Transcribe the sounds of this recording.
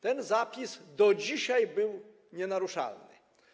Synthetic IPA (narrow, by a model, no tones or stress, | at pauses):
t̪ɛnzapʲisd̪ɔd͡ʑiɕajbɘw | ɲɛnaɾuʂa̰lnɪ̰